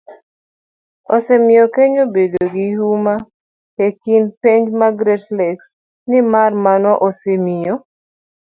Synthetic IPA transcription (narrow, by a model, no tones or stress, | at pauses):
osɛmɪokeɲobedoɡɪɦuma | hekinpeɲd͡ʒmaɡɾɛtlɛks | nɪmarmanɔʔosemio